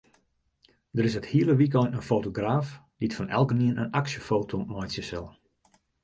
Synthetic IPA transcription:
dəɾɪsəthiələʋik̬ɔjnənfowtoɡraːf | d̥itfɔnʔɛ̰lˠkəniənənaksjəfoːtʰomɔjtsjəsɛlˠ

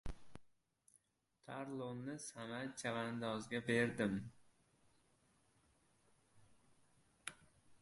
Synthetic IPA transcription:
t̪ʰaɾlˠonːɪsamat͡ʃʰavand̪ɒzɡʲabe̞ɾd̪ɪm

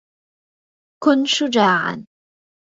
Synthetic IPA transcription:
kʊnʃʊd͡ʒaːʕa̰n

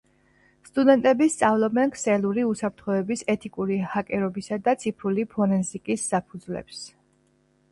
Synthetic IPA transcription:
st̪ʼud̪ɛnt̪ʼɛbist̪sʼavlˠɔbɛnkʰsɛlˠuɾiusapʰɾt̪ʰχɔɛbisɛt̪ʰikʼuɾihakʼɛɾɔbisad̪at̪sʰipʰɾulipʰɔnɛnzikʼisːapʰud̪zlɛ̰ps

